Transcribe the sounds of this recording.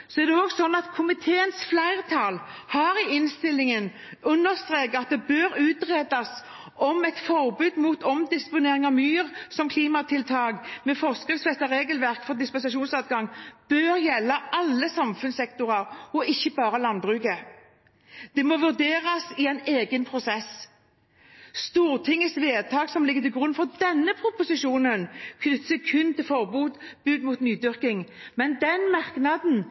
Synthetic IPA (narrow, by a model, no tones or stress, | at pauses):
sɔæʁd̪ɛɔɡsɔnːɑt̪kʰʊmɪt̪ʰeːənsflæɪʁt̪ʰɑlhɑɾɪɪnst̪ɪlɪŋən | ʉnːəʁst̪ʁeːkɑt̪̚d̪ɛbøːɾʉːt̪ʁeːd̪ɑs | ɔmɛt̪fɔʁbʉːd̪muːt̪ɔmd̪ɪspʊneːʁɪŋɑmyːʁsɔmkʰliːmɑt̪ʰɪlt̪ʰɑːɡmɛfɔʁskɪŋsfɛst̪ɑʁeːɡəlʋæʁkfɔʁd̪ɪspɛnsɑʂuːnsɑt̪̚ɡɑŋb̥øːɾjɛlːəʔɑlːəsɑmfʉnsɛkt̪ʊʁɑʁɔʔɪçːəbɑːɾəlɑnbʁʉːkə | d̪̥ɛmoʋʉʁd̪eːʁɑsɪɛɪneːɡənpʰɾʊsɛs | st̪uːʁt̪ʰɪŋːəsʋeːd̪̚t̪ʰɑːɡsɔmlɪɡːət̪ɪɡʁʉnfɔʁd̪ɛnːəpʰʁʊpʊsɪʂuːnənkʰnʏt̪səkʰʉnt̪ɪlfɔʁbuːd̪b̥ʉːd̪muːt̪nyːd̪ʏʁkɪŋmɛnd̪ɛnmɑʁknɑd̪n̩